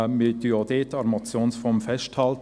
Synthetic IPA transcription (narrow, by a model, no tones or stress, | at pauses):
met̪yjoːd̥̪etːɑɾmɑt͡sjoːnsfɔmfɛʃthɑlt